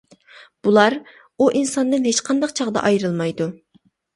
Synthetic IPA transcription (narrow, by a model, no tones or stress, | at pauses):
b̥ulˠɑɾ | uʔinsɑnd̪ɨnɦet͡ʃqʰɑnd̪ɑqt͡ʃʰɑʁd̪ɑ̰ʔɑjɾɨlˠmɑjd̪u